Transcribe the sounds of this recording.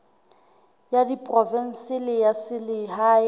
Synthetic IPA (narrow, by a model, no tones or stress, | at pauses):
jadipʼrɔvɛn̩sɪlɪjasɪliɦa